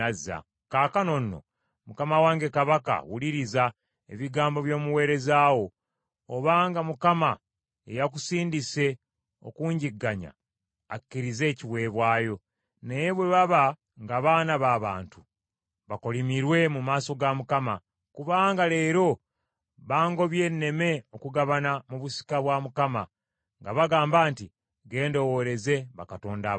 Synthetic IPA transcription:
azːa̰ | kaːkano̞nːo̞̰ | mukamawaːŋɡe̞kaβaka̰wuliɾiza | e̞̰βiɡaːmbo̞βjo̞ːmuwe̞ːɾe̞zaːwo̞ː | βaːŋɡamukama | e̞̰jak̬usiːndise̞ | o̞̰kuːɲɟiɡːaɲa̰ː | kːiɾize̞ːciβwe̞ːβwaːjo̞ | neje̞βwe̞βaβa | ŋɡaβaːnaβaːβa̰ːntu | βako̞limiɾwe̞mumaːso̞ɡamukama | kuβaːŋɡale̞ːɾo̞ | βaːŋɡo̞βje̞ːnːe̞me̞okuɡaβanamuβusi̥kaβwamukama̰ | ŋɡaβaɡaːmbaːnti | ɡe̞ːndo̞wo̞ɾe̞ze̞βakato̞ːnda

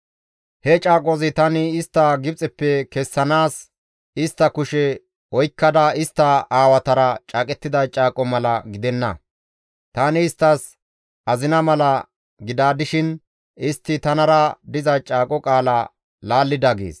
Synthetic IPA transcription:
hɛt͡ʃʼaːkʼɔzɪt̪ɐnɪːst̪ːɐɡɪp̚t͡sʼɛpːɛkɛsːɐnaːs | ɪst̪ːɐkʊʃɛ | ɔjkːɐd̪ɐɪst̪ːɐaːwɐt̪ɐɾɐt͡ʃʼaːkʼɛt̪ːɪd̪ɐt͡ʃʼaːkʼɔmɐlɐɡɪd̪ɛnːɐ̰ | t̪aːnɪːst̪ːɐs | ʔɐzɪnɐmɐlɐ | ɡɪd̪aːd̪ɪʃɪn | ɪst̪ːɪt̪ɐnɐɾɐd̪ɪzɐt͡ʃʼaːkʼɔkʼaːlɐ | laːlːɪd̪ɐɡḛːs

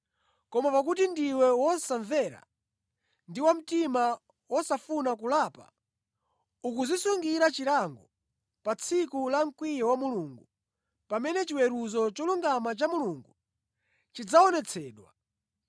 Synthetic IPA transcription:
kɔmapakutindiwɛwɔsaɱvɛɾa̰ | ndiwam̩tima | wɔsafunakulapa̰ | uk̬uzisuŋɡiɾat͡ʃiɾaŋɡɔ | pat͡sʰikulaŋ̩kwijɛwamuluŋɡu | pamɛnɛt͡ʃiwɛɾuzɔt͡ʃɔluŋɡamat͡ʃamuluŋɡu | t͡ʃid͡zaɔnɛt͡sʰɛːɗwa̰

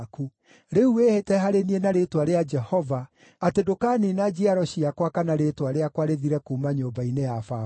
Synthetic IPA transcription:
ku | ɾeuehetɛɦaɾenienaɾetwaɾead͡ʒɛhɔva | atedokaːninad͡ʒiaɾɔɕiakwakanaɾetwaɾeakwaɾeðiɾɛkuːmaɲoːmbainejafa

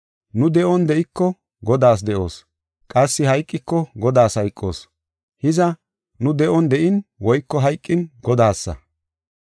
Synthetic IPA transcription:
nʊd̪ɛʔɔnd̪ɛʔɪkːɔ | ɡɔd̪aːs̬d̪ɛʔo̞̰ːs | kʼɐsːɪhɐjkʼːɪkːɔɡɔd̪aːshɐjkʼːo̞̰ːs | hɪzɐ | nʊd̪ɛʔɔnd̪ɛʔɪnwɔjkːɔɦɐjkʼːɪnɡɔd̪aːsːɐ̰

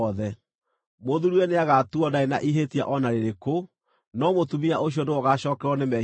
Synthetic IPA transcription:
ɔðɛ | moðuɾwɛneaɣatuɔdaena̰ʔiɦetia̰ʔɔnaɾeɾeko | nɔmotumiaʔoɕ̬ijɔnewɔɣaɕɔːkɛɾwɔnemɛ

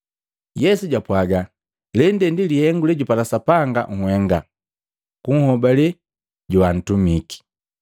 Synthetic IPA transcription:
jɛsuɟwapwaɡa | lɛndɛndilihɛŋɡulɛɟupalasapaŋɡa̰ŋ̩hwɛŋɡa̰ | kuŋ̩hɔbalɛ | ɟuwan̩tumiki̥

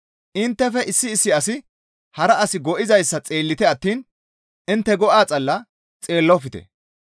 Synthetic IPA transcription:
ʔɪnt̪ːɛfɛʔɪsːɪːsːɪɐsɪ | hɐɾɐɐsɪɡɔʔɪzɐjsːɐt͡sʼe̞ːlːɪt̪ɛɐt̪ːiːn | ʔɪnt̪ːɛɡɔʔaːt͡sʼɐlːɐ | t͡sʼe̞ːlːɔfɪt̪ɛ̰

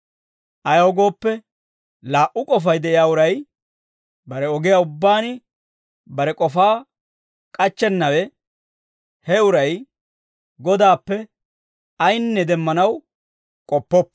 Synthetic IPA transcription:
ʔɐjɐwɔɡo̞ːpːɛ | laːʔʊkʼɔfɐjd̪ɛʔɪjaːʊɾɐj | bɐɾɛɔɡɪjaːʊbːaːnɪ | bɐɾɛkʼɔfaː | kʼɐt͡ʃːɛnːɐwɛ | hɛʊɾɐj | ɡɔd̪aːpːɛ | ɐjnːɛd̪ɛmːɐnɐw | kʼɔpːɔpː

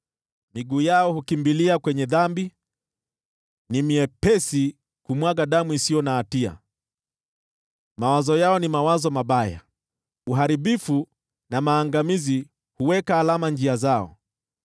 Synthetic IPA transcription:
miɡuːjaɔhukimbiliakwɛɲɛðambi | nimiɛpɛsi | kumwaɠaɗamuisijɔnaːtia̰ | mawazɔjaɔnimawazɔmaɓaja̰ | uɦaɾiɓifu | namaːŋɡamizi | huwɛkaːlamand͡ʒiazaɔ̰

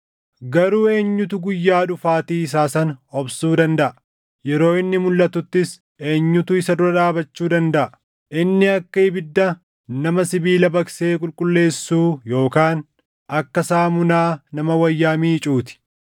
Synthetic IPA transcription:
ɡɐɾuːe̞ːɲːʊt̪ʊɡʊjːaːᶑʊfaːt̪iːɪs̬aːsɐnɔbsuːd̪ɐnd̪ɐʔɐ | jɛɾo̞ːɪnːɪmʊlːɐt̪ʊt̪ːɪs | e̞ːɲːʊt̪ʊɪsɐd̪ʊɾɐᶑaːbɐt͡ʃːuːd̪ɐnd̪ɐʔɐɐ | ʔɪnːɪɐkːɐɪbɪd̪ːɐ | nɐmɐsɪbiːlɐbɐkseːkʼʊlkʼʊlːe̞ːsːuːjo̞ːkaːn | ʔɐkːɐsaːmʊnaːnɐmɐwɐjːaːmiːt͡ʃʼuːt̪ɪ̥

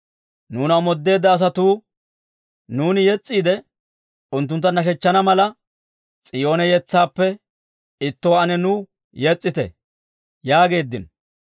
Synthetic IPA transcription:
nuːnɐmɔd̪ːe̞ːd̪ːɐːs̬ɐt̪uː | nuːnɪjɛt͡sʼːiːd̪ɛ | ʊnt̪ːʊnt̪̬ːɐnɐʃ̬ɛt͡ʃːɐnɐmɐlɐ | t͡sʼɪjo̞ːnɛjɛt͡sːaːpːɛ | ɪt̪ːɔwɐnɛnuː | jɛt͡sʼːɪt̪ɛ̰ | jaːɡe̞ːd̪ːɪ̰n

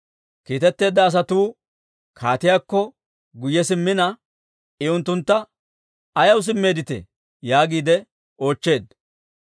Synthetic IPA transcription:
kiːt̪ɛt̪ːe̞ːd̪ːɐːs̬ɐt̪uː | kʰaːt̪ɪjaːkːɔ | ɡʊjːɛsɪmːɪnɐ | ɪʊnt̪ːʊnt̪ːɐ | ɐjɐws̬ɪmːe̞ːd̪ɪt̪ɛ̰ | jaːɡiːd̪ɛ | o̞ːt͡ʃːe̞ːd̪

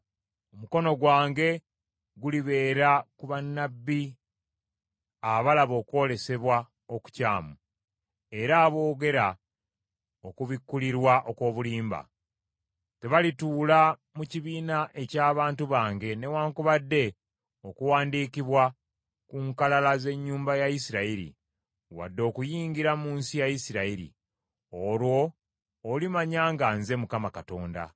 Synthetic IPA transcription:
omuko̞no̞ɡwaːŋɡe̞ | ɡuliβe̞ːɾakuβanːabːi | aβalaβo̞ːko̞le̞se̞βwa | oku̥ca̰ːmu | e̞ɾaːβo̞ːɡe̞ɾa | o̞kuβikːuliɾwaʔo̞ko̞ːβuliːmba̰ | te̞βalituːla | muciβiːnaʔe̞caːβaːntuβaːŋɡe̞ne̞waːŋkuβadːe̞ | o̞kuwaːndiːkiβwa | kuŋkalalaze̞ɲːuːmbajajisiɾaiɾḭ | wa̰dːo̞ːkujiːŋɡiɾamuːnsijajisiɾaiɾḭ | o̞ɾwo̞ː | limaɲaːŋɡanze̞mukamakato̞ːnda̰

